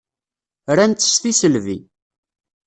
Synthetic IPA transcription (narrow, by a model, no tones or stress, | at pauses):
ɾænt̪ːə̥sθisəlvḭ